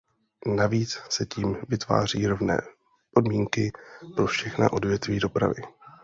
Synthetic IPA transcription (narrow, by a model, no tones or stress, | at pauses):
naviːt͡ssɛciːmvɪt̪va̰ːriːɾovnɛ̰ː | po̞dmiːŋkɪpɾo̞fʃɛxna̰ʔo̞dvjɛt̪viːdo̞pɾa̰vɪ